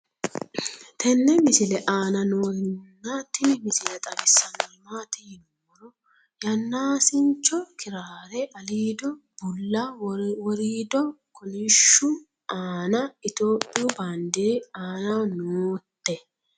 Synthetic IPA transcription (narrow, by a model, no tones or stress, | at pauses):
t̪ʰɛnːɛmɪsɪlɛʔaːnɐnoːɪnːaːt̪ːɪnmɪsɪlɛt̪ʼɐɡɪsːɐnːɔmaːt̪ɪjɪnɔwɔɾɔ | jɐnːaːsɪnt͡ʃːɔkʰɪɾaːɾɛʔɐliːd̪ɔ | bʊlːɐwɔɾiːd̪ɔkʰɔnɪʃʊ | ʔaːnɐɪt̪oːpʼːɪjʊband̪eːaːnɐnoːt̪ːɛ